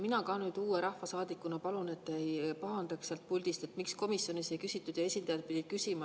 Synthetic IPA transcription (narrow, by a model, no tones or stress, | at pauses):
minɑkɑːnyːd̪̥uːeɾɑhfɑsɑːd̪̥ikːˑunɑpɑlune̞t̪ːeejpɑɦɑnd̪ɑkselt̪̚pulʲd̪̥ist̪e̞t̪ːˑmiksko̞misjo̞nisekysit̪ːˑud̪̥jɑe̞sʲind̪ɑjɑd̪̥̚pid̥̪id̪̥kysimɑ